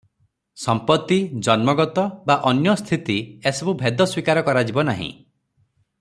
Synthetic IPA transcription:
sɔmpɔt̪ːid͡ʒɔnmɔɡɔt̪ɔbaʔɔnjɔst̪ʰit̪iesɔbubʱed̪ɔswikaɾɔkɔɾad͡ʒibɔnaɦḭ̃

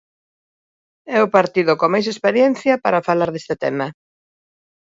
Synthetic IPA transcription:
ɛʊpaɾt̪iðʊkomajs̬espeɾjɛn̟θjɐpaɾɐfalaɾðest̪ɪt̪ɛ̰mɐ

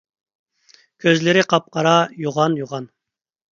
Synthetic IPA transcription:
kʲʰøzlɪɾɪqʰɑp̚qɑɾɑjoʁɑnjoʁɑn

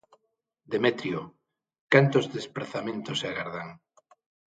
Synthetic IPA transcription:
d̪emet̪ɾjo | kant̪ozðespɾaθamẽnt̪osaɣaɾð̞aŋ

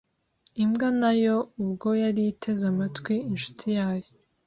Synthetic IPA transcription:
imɡanajo̞uβɡo̞jaɾitʰe̞zamatkwiinʃu̥tʰijaːjo

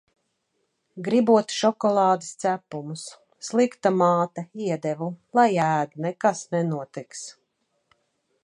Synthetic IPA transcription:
ɡɾibuɔt̪ʃɔkɔlˠɑːd̪ɪst̪sæpumusː | lˠikt̪amaːt̪aiɛd̪ɛvulˠajæːd̪nɛkasnɛnuɔt̪iks

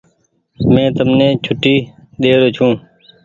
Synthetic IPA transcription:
mẽːt̪əmnẽːt͡ʃʰʊʈːiː | ɗ̪eːɾoːt͡ʃʰũː

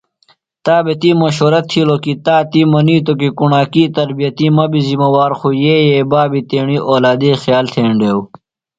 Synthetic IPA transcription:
t̪aːbet̪iːmɐɕoːɾɐt̪ʰːiloːkit̪aːt̪imɐniːt̪ok̬ikuɳaːkiːt̪ɐɾbijɐt̪imɐbizimɐwaːɾxujeːjeːbaːbit̪eːɳiːʔoːlaːd̪iːxjaːlt̪ʰeːɳɖeːw

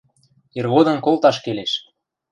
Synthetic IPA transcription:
irβod̪ɤ̆nkolt̪ɑʃkeleʃ

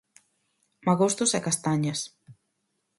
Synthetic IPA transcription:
maɣost̪ʊsɛkast̪aɲɐs

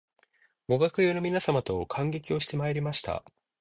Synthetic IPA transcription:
ɡo̞ɡakɯ̟joːno̞mʲinasamat̪o̞kʰãŋɡe̞kʲio̞ɕi̥t̪e̞maeɾʲimaɕi̥t̪a̰

